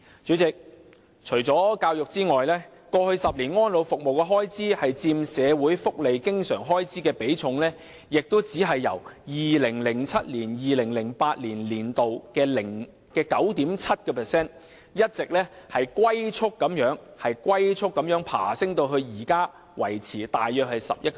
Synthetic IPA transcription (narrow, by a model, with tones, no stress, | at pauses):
t͡ʃyː˨˥t͡sɪ˨k̚ | t͡ʃʰɵ˨˩ɥt͡sɔː˨˥kaː˧wjʊ˨k̚t͡siː˥ŋɔː˨jlɛː˥ | kɔː˧hɵ˧ɥsɐ˨p̚liː˨˩nŋɔː˥nlo˨˧wfʊ˨k̚mo˨wkɛ˧ɦɔː˥jt͡siː˥hɐ˨jt͡siː˧msɛː˨˧wuː˨˥jfʊ˥k̚le˨jkɪ˥ŋsœ̰ː˨˩ŋɦɔː˥jt͡siː˥kɛː˧pe˨˥jt͡sʰʊ˨˧˥ŋlɛː˥ | jɪ˨k̚t̪o˥wt͡siː˨˥ɦɐ˨jːɐ̰˨˩wjiː˨lɪ˨˩ŋlɪ˨˩ŋt͡sʰɐ˥t̚liː˨˩njiː˨lɪ˨˩ŋlɪ˨˩ŋpaː˧t̚liː˨˩nliː˨˩nt̪o˨wkɛː˧lɪ˨˩ŋ | kɛː˧kɐ˨˥wt̪iː˨˥mt͡sʰɐ˥t̚kɛː˧pʰɛː˨˩sɛː˥n | jɐ˥t̚t͡sɪ˨k̚lɛː˥hɐ˨jkwɐ˥jt͡sʰʊ˥kːɐ˨˥mjœː˨˥ŋhɐ˨jkwɐ˥jt͡sʰʊ˥kːɐ˨˥mjœː˨˥ŋpʰa̰ː˨˩sɪ˥ŋt̪o˧wɦɵ˧ɥjiː˨˩kaː˥ | wɐ˨˩jt͡sʰiː˨˩t̪aː˨jjœː˨k̚hɐ˨˩jsɐ̰˨p̚jɐ˥t̚k